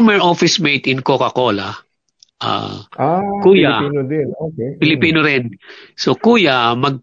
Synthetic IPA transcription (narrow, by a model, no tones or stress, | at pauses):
mɛɹofɪsmejt̪ɪnkokɐko̞ːla | ʔa̰akuːjadɛnopɪlɪpiːnoɾɪnsokuːjamɐɡ̚